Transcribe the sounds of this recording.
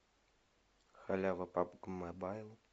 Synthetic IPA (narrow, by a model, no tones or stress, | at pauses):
xalʲavɐpapɡmabajlˠ